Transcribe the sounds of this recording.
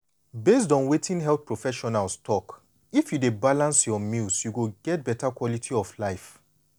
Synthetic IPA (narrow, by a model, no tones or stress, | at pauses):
bes̬dɔ̃nwetĩnɦɛlθpɹofɛʃɔnalstʰɔk | ifjudebalãnsjɔmilsjuɡoɡɛt̚bɛtakwɔlitʰiɔflaɪf